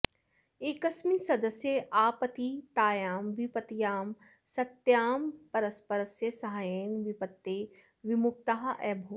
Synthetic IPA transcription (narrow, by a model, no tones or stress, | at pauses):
eːkɐsmisɐd̪əsjeʔaːpət̪it̪aːjaːmʋipət̪jaːm | sɐt̪jaːmpɐɾəspɐɾəsjəsɐɦajeːnʋɪpət̪ːeː | ʋɪmʊk̚t̪aɦɐʔɛːbʱoː